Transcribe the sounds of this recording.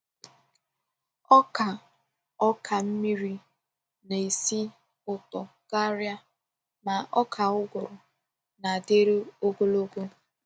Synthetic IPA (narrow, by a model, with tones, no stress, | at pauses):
ɔ˦ka˨ | ɔ˦kʰa˨m̩˦mi˦ɾi˦ | na˨i˨si˦ | ʊ˨tɔ˨ | ka˦ɾja˦ | ma˨ʔɔ˦kʰa˨ʊ˦ɡʊ˨ɾʊ˨ | na˨de˦ɾe˦o˦ɡo˦lo˦ku˦